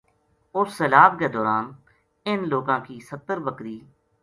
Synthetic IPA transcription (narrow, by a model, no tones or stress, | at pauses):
ʊsːeːlaːbked̪ɔːɾaːn | ɪnloːɡãːkiːsət̪ːəɾbəkɾiː